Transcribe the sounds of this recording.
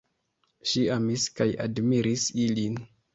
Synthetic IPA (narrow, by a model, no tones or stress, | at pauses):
ʃiamiskaja̰dmiɾisilin